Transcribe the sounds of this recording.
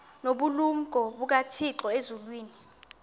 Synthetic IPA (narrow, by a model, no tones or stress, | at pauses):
noɓuluŋɡʱɔɓuk̬atʰiǁɔezulwiːni